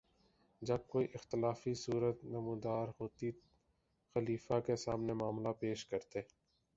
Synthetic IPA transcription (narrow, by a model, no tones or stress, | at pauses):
d͡ʒɐb̚koːiʔɪxt̪ɪlaːfisuːɾət̪nɐmũːd̪aːɾɦoːt̪i | xəliːfakesaːmnemaːmlapeːʃkɐɾt̪eː